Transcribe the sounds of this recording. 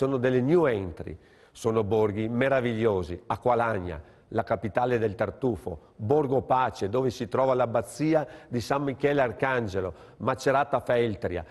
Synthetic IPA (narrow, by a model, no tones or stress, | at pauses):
soːnod̪elːenjuɛnt̪ɾḭ | soːnoborɡimeɾaviʎːoːziakwalaɲːa̰ | lakapit̪aːled̪elt̪art̪uːfo̰ | borɡopaːt͡ʃed̪oːvesit̪ɾɔːvalabat̪sːiːad̪isamːikɛlarkand͡ʒelo | mat͡ʃːeɾaːt̪afaɛlt̪ɾja̰